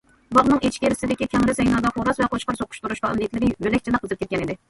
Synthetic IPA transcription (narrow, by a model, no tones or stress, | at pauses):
bɑʁnɨŋet͡ʃkʲeɾɪsɪd̪ɪkʲikʲʰɛŋɾɪsɛjnɑd̪ɑχoɾɑsvɛqoʃqɑɾsoqʰʊ̥ʃt̪uɾuʃqɑɛ̰mlijɛt̪lɪɾɪbølɛkʲt͡ʃʰid̪ɛqʰəzɨp̚kʲɛt̪̚kʲɛnid̪ɪ